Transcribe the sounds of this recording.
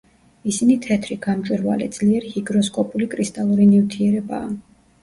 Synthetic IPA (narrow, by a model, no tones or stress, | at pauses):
isinit̪ʰɛt̪ʰɾiɡ̥amt͡ʃʼwiɾva̰lɛd̪z̥liɛɾihiɡɾɔskʼɔpʼulikʼɾist̪ʼalˠuɾinivt̪ʰiɛɾɛba̰ː